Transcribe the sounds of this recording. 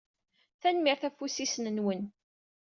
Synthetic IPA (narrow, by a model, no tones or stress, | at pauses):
θænmiɾθæfusisnənwən